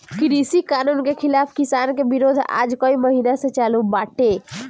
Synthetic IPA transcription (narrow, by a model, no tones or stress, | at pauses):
kɾisikanunkekʰilapʰkisankebiɾod̪ʱa̰d͡ʒkəiməɦinasẽt͡ʃalubaʈe